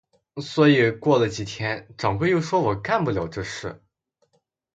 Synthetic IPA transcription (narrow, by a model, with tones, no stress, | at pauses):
swɔ˧˥i˨˩kwɔ˥˩lə˩t͡ɕi˨˩t̪ʰjɛ˥nʈ͡ʂɑ˨˩ŋxwe˥˧ɪjo˥˩ʊʂwɔ˥wɔ˨˩ka˥˧npu˥˩ljɑ˨˩ʊʈ͡ʂɤ˥˧ʂɻ̩˥˩